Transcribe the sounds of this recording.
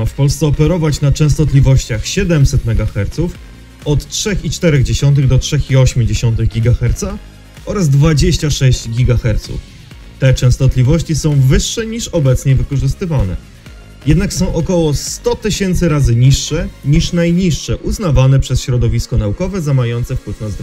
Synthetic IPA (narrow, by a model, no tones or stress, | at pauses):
afpɔlst̪ɛɔpɛɾɔvat͡ɕnat͡ʂɛ̃w̃st̪ɔt̪lʲivɔɕt͡ɕaxɕɛd̪ɛmsɛt̪mɛɡaxɛɾt̪suf | ɔt̪tʂɛxit͡ʂt̪ɛɾɛɣd͡ʑeɕɔnt̪̬ɘɣd̪ɔtʂɛxiɔɕmʲud͡ʑeɕɔnt̪̬ɘɣɡʲiɡaxɛɾt̪sa | ʔɔɾazd̪vad͡ʑeɕt͡ɕaʂɛɕd͡ʑɡʲiɡaxɛɾt̪sṵf | t̪ɛt͡ʂɛ̃w̃st̪ɔt̪lʲivɔɕt͡ɕisɔ̃w̃vɘʂːɛɲiʂɔbɛt̪sɲɛvɘkɔʐɘst̪ɘvanɛ̰ | jɛd̪naksɔ̃w̃ʔɔkɔwɔst̪ɔt̪ɘɕɛnt̪sɘɾazɘɲiʂːɛɲiʂnajɲiʂːɛʔuzn̪avanɛpʂɛsɕɾɔd̪ɔvʲiskɔnaukɔvɛzamajɔnt̪sɛfkwɛfnazd̪